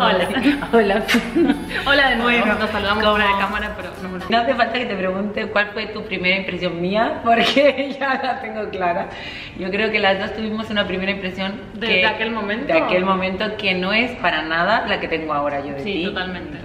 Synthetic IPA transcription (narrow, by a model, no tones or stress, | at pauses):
olaolaf | olaðenweβt̪ossaluðamβɾaðekamaɾapeɾonomnoaθefalt̪ake̞t̪e̞pɾe̞ɣ̞unt̪ekwalfwe̞t̪upɾime̞ɾaimpɾesjo̞ŋmiapo̞ɾkeʝalat̪e̞ŋɡo̞klaɾa | ʝo̞kɾe̞oke̞lazðo̞st̪uβimo̞sunapɾime̞ɾaĩmpɾe̞sjo̞ŋ | d̪keðeakelmõmẽntd̪eake̞lmõ̞mẽnt̪o̞ke̞no̞e̞spaɾanaðalake̞t̪e̞ŋɡoao̞ɾaʝo̞ðeiot̪almẽnt̪e